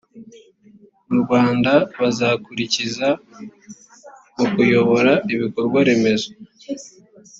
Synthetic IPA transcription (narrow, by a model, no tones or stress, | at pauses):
muɾɡwaːndaβazakuɾiciza | ukujo̞βo̞ɾaiβiko̞ɾɡwaɾe̞me̞zo